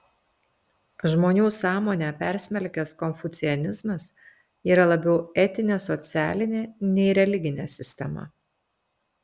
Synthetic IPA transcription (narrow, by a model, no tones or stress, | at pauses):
ʒmoːnʲuːsɑːmoːnʲɛːpʲæˑɾʲsʲmʲɛlʲkʲɛskɔmʲfʊt̪sʲɪɔnʲɪzmɐs | iːɾɐlˠɐbʲɛʊɛt̪ʲɪnʲeːsɔt̪sʲæ̰ːlʲɪnʲeːnʲɛɪɾʲɛlʲɪɡʲɪnʲeːsʲɪsʲt̪ʲɛmɐ̰